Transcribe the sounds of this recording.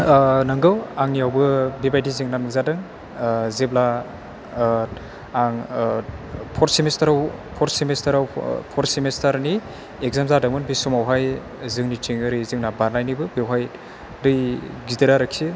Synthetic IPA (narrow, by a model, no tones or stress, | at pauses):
nɯŋɡɯwaŋniawbɯbibajdizɯŋnanɯzadɯŋ | zebla | aŋ | pʰɔɾsimestaɾawpʰɔɾsimestaɾawpʰɔɾsimestaɾni | ekɡ̚zamzadɯŋmɯnbisumawɦaj | zɯŋnitiŋɯɾizɯŋnabaɾnajnibɯbewɦaj | dɯjɡidɯɾaɾɯkʰi